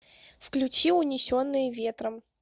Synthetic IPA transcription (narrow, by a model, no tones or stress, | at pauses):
fklʲʉt͡ɕiʊnʲɪsʲonːɨjəvʲet̪ɾəm